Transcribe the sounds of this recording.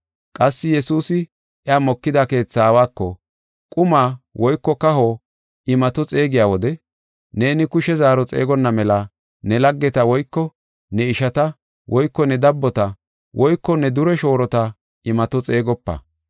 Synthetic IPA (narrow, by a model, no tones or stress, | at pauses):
kʼɐsːɪjɛsuːsɪ | ʔɛaːmɔkːɪd̪ake̞ːt͡sːaːwaːkːɔ | kʼʊmaːwʔɔjkːɔkɐɦoː | ʔɪmɐt̪ɔt͡sʼe̞ːɡɪjaːwɔd̪ɛ | ne̞ːnɪkʊʃɛzaːɾɔt͡sʼḛːɡɔnːɐmɛlɐ | nɛlɐɡːɛt̪ɐwɔjkːɔ | nɛɪʃɐt̪ɐ | wʔɔjkːɔnɛd̪ɐbːɔt̪ɐ | wʔɔjkːɔnɛd̪ʊɾɛʃo̞ːɾɔt̪ɐ | ɪmɐt̪ɔt͡sʼe̞ːɡɔpːɐ̰